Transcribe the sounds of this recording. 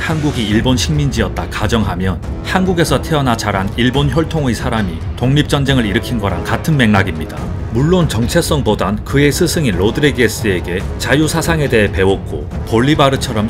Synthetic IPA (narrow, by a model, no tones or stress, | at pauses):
hanɡuɡiiɭbonɕʰiŋmind͡ʑiʌt̚t͈akad͡ʑʌŋɦamjʌn | hanɡuɡe̞sʰʌtʰe̞ʌnat͡ɕaɾaniɭbonçjoɭtʰoŋɯjsʰaɾamitoŋɲip̚t͡ɕ͈ʌnd͡ʑe̞ŋɯɭiɾɯkʰinɡʌɾa̰nkatʰɯnme̞ŋnaɡimɲida | muɭːont͡ɕʌŋt͡ɕʰe̞s͈ʌŋpodankɯe̞sʰɯsʰɯŋinlodɯɾeɡes͈ɯe̞ɡe̞ | t͡ɕajusʰasʰaŋe̞de̞ɦe̞pe̞wok̚k͈o̰ | poɭːibaɾɯt͡ɕʰʌɾʌm